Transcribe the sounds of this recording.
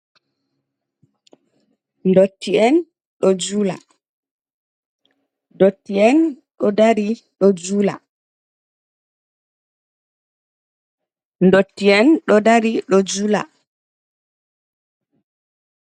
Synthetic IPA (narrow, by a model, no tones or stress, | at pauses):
ndotːiɛn | ɗɔd͡ʒula̰ | dotːiɛn | ɗɔdaɾi | ɗɔd͡ʒula̰ | ndotːiɛnɗɔdaɾiɗɔd͡ʒula̰